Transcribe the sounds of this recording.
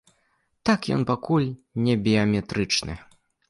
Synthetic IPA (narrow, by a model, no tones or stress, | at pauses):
t̪akjɔ̰npakulʲnʲɛbʲiɐmʲɛt̪ɾɨt͡ʂnɨ̰